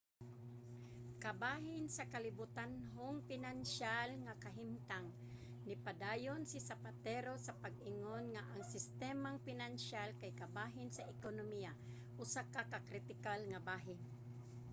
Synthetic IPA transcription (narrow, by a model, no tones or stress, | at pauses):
kabaːɦɪnsakalɪbʊt̪anɦoŋpɪnanʃalŋakaɦɪmt̪aŋ | nɪpad̪aːjonsɪsapat̪ɛɾosapaɡ̚ɪŋonŋaʔaŋsɪst̪ɛmaŋfɪnanʃalkajkabaːɦɪnsaʔɪkonomija | ʔʊsakakakɾɪt̪ɪkalŋabaːɦɪn